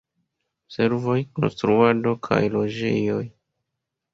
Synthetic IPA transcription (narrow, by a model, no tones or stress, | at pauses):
se̞ɾvo̞jko̞̰nstɾuado̞kʰa̰jlo̞d͡ʒḛjo̞j